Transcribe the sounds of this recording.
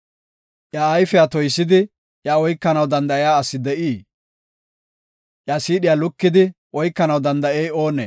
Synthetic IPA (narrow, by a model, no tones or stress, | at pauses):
ʔjɐːjfɛjat̪ɔjsːɪd̪ɪ | ʔjɐɔjkːɐnɐwd̪ɐnd̪ɐɪjaːsːɪd̪ɛʔiː | ʔjasiːɗɪjaːlʊkːɪd̪ɪʔɔjkːɐnɐwd̪ɐnd̪ɐejo̞ːnḛː